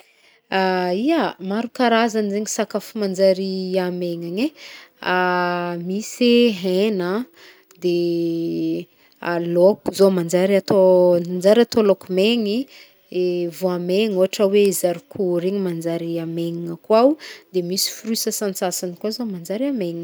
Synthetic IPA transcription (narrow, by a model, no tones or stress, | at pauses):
aiamaɾukaɾazanizeŋisakafumand͡zaɾiameŋaɲeamiseɦenə | d̪e | alokuzomand͡ʒaɾat̪oand͡zaɾat̪olokumeŋi | evuameɲuɦaʈ͡ʂəweizaɾikʰuɾeŋimand͡zaɾiameŋiŋakwawud̪emisi̥frisəsant͡sasanikwazomand͡ʒaɾiameŋ